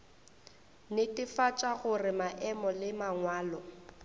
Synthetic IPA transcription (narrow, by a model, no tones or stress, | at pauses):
nɪtʼɪfat͡ʃʼaɣʊrɪmaʔɛmɔlɪmaŋwaːlɔ